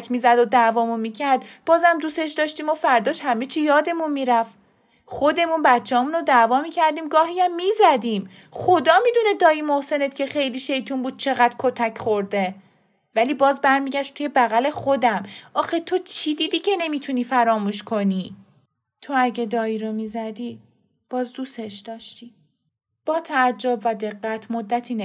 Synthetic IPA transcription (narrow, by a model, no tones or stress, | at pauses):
kʰmiːzæd̪od̪ævɒːmunmiːcʰæɾd̪b̥ɒːzæmd̪uːse̞ʃd̪ɒːʃt̪iːmofæɾd̪ɒːʃhæme̞t͡ʃʰijɒːd̪e̞munmiːɾæf | χo̞d̪e̞munbæt̪t͡ʃʰːehɒːmuːnod̪ævɒːmiːcʰæɾd̪iːmɡɒːɦiæmːiːzæd̪iːm | χo̞d̪ɒːmiːd̪uned̪ɒːiːmo̞hse̞ne̞t̪cʰe̞xe̞jliːʃe̞jt̪ʰunbuːd̪̚t͡ʃʰe̞ɣæd̪̥kʰo̞t̪ʰæcʰχoɾd̪e̞ | væliːbɒːzbæɾmiːɟæʃt̪t̪ʰuje̞bæɣæle̞xo̞d̪æmʔɒːxe̞t̪ʰo̞t͡ʃʰid̪iːd̪iːcʰe̞ne̞miːt̪ʰuniːfæɾɒːmuːʃkʰo̞niː | t̪ʰo̞æɟe̞d̪ɒːiːɾomizæd̪i | b̥ɒːzd̪useʃd̪̥ɒːʃt̪i | b̥ɒːt̪ʰæːd͡ʒːobvæd̪e̞ɣːæt̪ʰmod̪ːæt̪ʰiːne